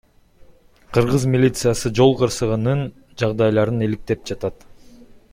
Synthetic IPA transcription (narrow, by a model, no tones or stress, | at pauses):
qʰɯɾʁɯzmʲilʲit̪sɨjɑsɯd͡ʒo̞lˠqɯɾsɯʁɯnɯn | d͡ʒɑʁd̪ɑjlˠɑɾɯnilik̚t̪e̞p̚d͡ʒɑt̪ɑt̪